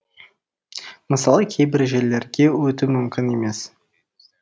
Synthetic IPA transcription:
məsɑlˠəkʲʰejbɪɾʒelːe̞ɾɡʲe̞wɵt̪ɪmʏmkʲɪne̞me̞s

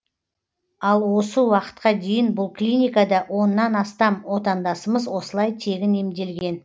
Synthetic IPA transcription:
ɑlˠwo̞səwɑqə̥t̪̚qɑd̪e̞jɪnbʊlˠklʲinʲijkad̪ɑwo̞nːɑnɑst̪ɑmwo̞t̪ɑnd̪ɑsəməzwo̞səlˠɑjt̪ʰe̞ɡʲɪnemd̪e̞lɡʲe̞n

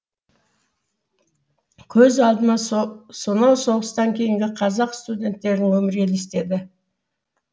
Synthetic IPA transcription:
kʲʰɵzɑlˠd̪ənɑsonɑwso̞ʁəst̪ɑŋkʲʰe̞jɪŋɡʲɪqʰɑzɑqst̪ud̪ʲe̞nt̪ːe̞ɾɪŋwɵmɪɾe̞lest̪e̞d̪ɪ

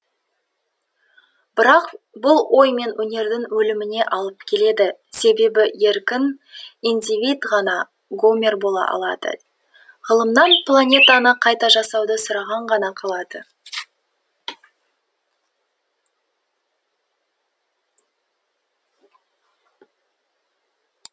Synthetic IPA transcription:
bɪɾɑq | bʊlˠwʔo̞jme̞nwɵne̞ɾd̪ɪŋwɵlɪmɪne̞ʔɑlˠəp̚kʲʰe̞le̞d̪ɪse̞be̞bɪe̞ɾkʲɪnijnd̪ivʲid̪ʁɑnɑ | ɡomʲe̞rbo̞lˠɑ̰ʔɑ̰lˠɑd̪ə̰ | ʁəlˠəmnɑnplˠanʲe̞t̪ɑnəqʰɑjt̪ɑʒɑsɑwd̪əsʊɾɑʁɑɴʁɑnɑqʰɑlˠɑd̪ə

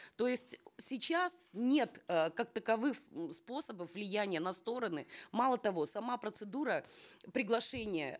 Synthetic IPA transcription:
t̪o̞jɪsʲtʲsʲɪt͡ɕasnʲe̞t̪kak̚t̪əkɐvɨxspo̞səbəfvlʲɪjænʲɪjənɐst̪o̞ɾənɨmalˠət̪ɐvo̞sɐmapɾət̪sɨd̪uɾəpɾʲɪɡlˠɐʂɛnʲɪjə̰

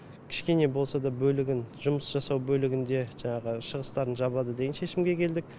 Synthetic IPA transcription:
kʲʰɪ̥ʃkʲe̞ne̞bo̞lˠsɑd̪ɑbɵlɪɡʲɪnʒʊməsʒ̥ɑsɑwbɵlɪɡʲɪnd̪e̞ʒɑɴɑʁəʃəʁəst̪ɑɾənʒɑbɑd̪əd̪e̞ɡʲnʃe̞ʃɪmɡʲe̞kʲʰe̞ld̪ɪk̚ʲ

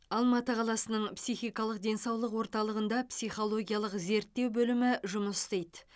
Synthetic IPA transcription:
ɑlˠmɑt̪əqʰɑlˠɑsənəɴpsijχijkɑlˠəq̚d̪e̞nsɑwlˠəqwo̞ɾt̪ɑlˠəʁənd̪ɑpsijχo̞lˠo̞ɡʲijalˠəqze̞ɾt̪ːe̞wbɵlɪmɪʒʊməst̪ejd̪

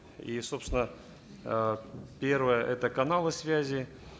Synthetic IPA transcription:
iso̞psʲɪnə | pʲervəjəʔɛt̪əkɐnalˠɨsvʲæzʲɪ

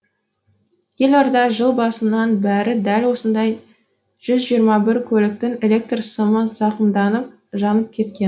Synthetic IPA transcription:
je̞lɑɾd̪ɑʒəlˠbɑsənɑnbæɾɪd̪ælwo̞sənd̪ɑj | ʒ̥ʏzʒijəɾmɑbɪɾkʲʰɵlɪk̚t̪ɪŋe̞lʲe̞k̚t̪rsəməzɑqənd̪ɑnəp̚ | ʒɑnəp̚kʲʰe̞t̪kʲe̞n

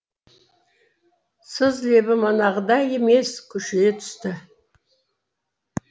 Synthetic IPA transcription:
səzle̞bɪmɑnɑʁəd̪ɑje̞me̞skʲʰʏʃɪnet̪ʰʏ̥st̪ɪ

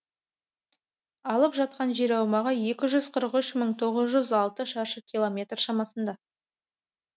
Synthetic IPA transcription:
ɑlˠəpʒɑt̪̚qɑnʒeɾɑwmɑʁəje̞kʲɪʒʏzqʰəɾəqʏʃməɴt̪ʰo̞ʁəzʒʏzɑlˠt̪əʃɑɾʃəkʲʰilˠomʲe̞t̪rʃɑmɑsənd̪ɑ

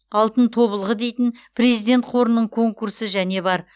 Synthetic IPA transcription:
ɑlˠt̪ənt̪ʰo̞βəlˠʁəd̪e̞jt̪ɪnpʰre̞zijd̪ʲe̞nt̪̚qʰo̞ɾənːəɴkʰo̞ŋkursəʒæne̞bɑɾ

